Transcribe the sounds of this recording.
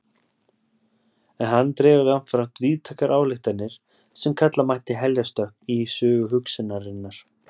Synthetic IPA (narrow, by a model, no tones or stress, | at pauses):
ɛnhanːt̪ɾɛːvaðɪanfɾam̥t̪viːðt̪ʰaːkaɾʔaːwlɪht̪anːɪɾ̥ | sɛmkʰat̪lamaht̪ɪɦɛljast̪œhk̚nisʏːɣʏɦʏksɪnaɾɪnːaɾ̥